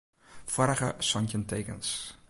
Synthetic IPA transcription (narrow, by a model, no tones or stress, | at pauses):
fɔɾəχəsɔncəntejkə̰̃ns